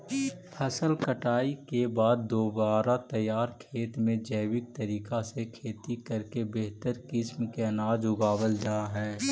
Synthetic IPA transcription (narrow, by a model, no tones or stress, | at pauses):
pʰəsəlkəʈaːikebaːd̪ːoːbaːɾat̪əjaːɾkʰeːt̪mẽd͡ʒəːwɪk̚t̪əɾiːkasekʰeːt̪ikɐɾkebeɦt̪əɾkɪsmkeɐnaːd͡ʒʊɡaːwəld͡ʒaːɦɛː